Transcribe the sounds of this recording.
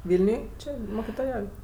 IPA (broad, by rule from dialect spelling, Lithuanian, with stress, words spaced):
ˈʋʲɪlʲnʲʊj ˈt͡ʃʲɪ moːkʲɪtoːˈjɛʊj